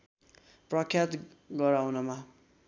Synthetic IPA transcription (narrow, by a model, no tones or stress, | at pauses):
prʌkʰjat̪ | ɡʌɾawnʌma